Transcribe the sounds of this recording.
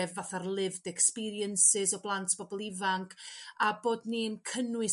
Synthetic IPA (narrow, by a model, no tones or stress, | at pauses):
ɛvːaθarlˠɪvdɛkspiɾiənsɪzɔblˠantʰb̥ɔbɔlˠivaŋkʰaboːdninkʰənwɨ